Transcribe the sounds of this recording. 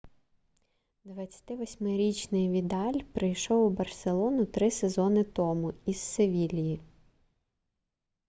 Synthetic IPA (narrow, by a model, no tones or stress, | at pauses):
d̪ʋɐt͡sʲɐ̥t̪ɪʋɔsʲmɪɾʲit͡ʃnɪjʋʲid̪ɑlʲpɾɪjʃɔwbɐrselˠɔnʊt̪ɾɪsezɔnɪt̪ɔmʊiz̥ːeʋʲilʲiji